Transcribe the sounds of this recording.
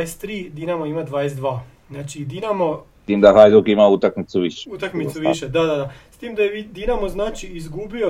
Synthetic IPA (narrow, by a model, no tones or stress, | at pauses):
jest̪ːɾiːd̪inamoimad̪ʋaːjesd̪ʋaː | znaːt͡ʃid̪inamost̪iːmd̪aɦajd̪okimaut̪akmit̪suʋiʃe̥ut̪akmitsuʋiʃed̪ad̪ad̪ast̪iːmd̪ajeʋid̪inamoznaːt͡ʃiizɡubio